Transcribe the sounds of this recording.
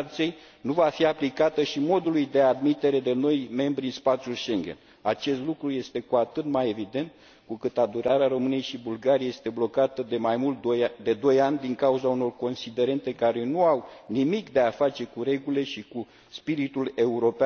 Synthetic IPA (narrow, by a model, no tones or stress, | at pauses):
t̪siej | nuvafiaplikat̪əʃimo̞d̪ulujd̪e̞ad̪mit̪e̞ɾe̞d̪e̞no̞jme̞mbɾiɨnspat̪sʲjulʃe̞ŋɡʲe̞̰n | at͡ʃe̞st̪lukɾuje̞st̪e̞kuat̪ɨt̪maje̞vid̪e̞nt̪ | kukɨt̪ad̪uɾaɾeaɾo̞mɨne̞jʃibulɡaɾiaje̞st̪e̞blo̞kat̪əd̪e̞majmult̪d̪e̞d̪o̞janʲd̪iŋkauzauno̞rko̞nsid̪e̞ɾe̞nt̪e̞kaɾe̞nuawnimikd̪e̞afat͡ʃe̞kuɾe̞ɡule̞ʃiku | spiɾit̪ule̞uɾo̞pea